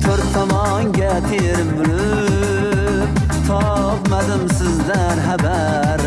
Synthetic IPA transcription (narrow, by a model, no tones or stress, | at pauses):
t̪ʰoɾt̪ʰːɔmɒ | ŋɡʲat̪ʰeɾɪmbʊlɨ | p | t̪ʰɒ | pmad̪ɪmsɪzd̪a | nɦaba | ɾ